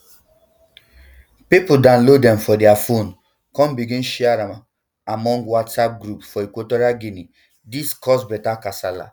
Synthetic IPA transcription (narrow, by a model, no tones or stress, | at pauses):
pipudãnlodɛ̃mfɔdɛafon | kɔ̃mbiɡĩnʃiaɾama | amɔ̃ŋɡwatsap̚ɡɾupfɔekwotoɾiaɡini | diskɔsbɛtakasala̰